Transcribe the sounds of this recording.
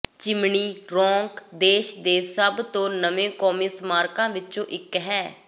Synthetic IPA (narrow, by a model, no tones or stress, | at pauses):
t͡ʃɪmɳiːɾɔːŋkd̪eːʃd̪eːsəbt̪õːnəʋẽːkɔːmiːsəmaːɾkãːʋɪt͡ʃõːʔɪkɦɛː